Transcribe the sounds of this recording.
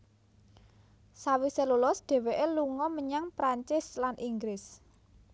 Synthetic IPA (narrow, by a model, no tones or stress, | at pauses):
sawiselolɔsdɖ̪̥ɛ̤weʔeluŋɔməɲaŋpɾaɲt͡ʃɪslanʔiŋɡɾɪs